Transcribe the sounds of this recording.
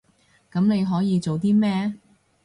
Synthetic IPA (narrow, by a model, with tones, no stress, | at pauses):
kɐ˨˥mne˨˧jɦɔː˨˥jiː˨˧t͡so˨wt̪iː˥mɛː˥